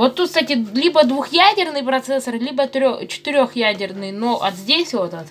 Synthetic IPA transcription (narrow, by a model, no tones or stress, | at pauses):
vot̪ːut̪st̪atʲɪlʲibəd̪vuxjædʲɪrnɨjpɾɐt̪sɛsərlʲibət̪ɾʲot͡ɕɪ̥t̪ɨɾʲo̞xjædʲɪrnɨjnoʔɐt̪zʲdʲesʲvot̪ət̪